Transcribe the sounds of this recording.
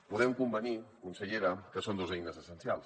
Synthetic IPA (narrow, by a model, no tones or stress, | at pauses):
puðɛmkumbənikunsəʎeɾəkəsond̪ozɛjnəzəsənsialˠs